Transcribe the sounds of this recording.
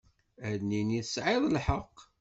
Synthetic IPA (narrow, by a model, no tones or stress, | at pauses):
æðniniθəsʕɪðˤlħəqː